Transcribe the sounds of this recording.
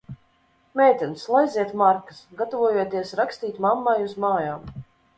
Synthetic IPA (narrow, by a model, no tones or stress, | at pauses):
mʲɛjt̪ʲɛnslˠajzʲiɛt̪maɾkə̥sɡat̪ɔvuɔjuɔt̪iɛsɾakst̪iːt̪ʲmamːajuzmaːjaːm